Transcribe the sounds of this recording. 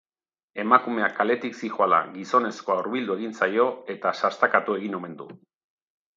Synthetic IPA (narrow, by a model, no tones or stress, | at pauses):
e̞makume̞akale̞t̪iksixoala̰ɣiso̞ne̞sko̞auɾβild̪ue̞ɣ̞insajo̞e̞t̪asast̪akat̪ue̞ɣino̞me̞nd̪u